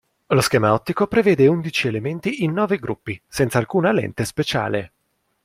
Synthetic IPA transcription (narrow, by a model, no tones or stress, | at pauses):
loskɛːmaɔt̪ːikopɾevɛːd̪eund̪it͡ʃielement̪iinːɔːveɡɾupːisɛnt̪saːlkuːnalɛ̰nt̪espet͡ʃa̰ːle